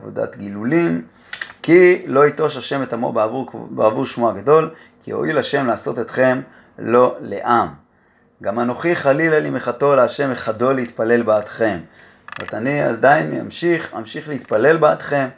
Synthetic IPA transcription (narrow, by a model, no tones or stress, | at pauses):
vo̰da̰t̪ɡilulim | kilo̞ito̞ʃaʃe̞met̪amo̰buʁbeavuʁʃmuaɡado̞l | kḭho̞̰ʔilaʃe̞mlaːso̞t̪et̪χe̞m | lo̞lḛʔam | ɡamano̞χiχalilalimeχato̞leaʃe̞meχado̞leit̪pale̞lbeːt̪χe̞m | et̪ania̰d̪aina̰mʃiχa̰mʃiχleit̪pale̞lbeat̪χe̞m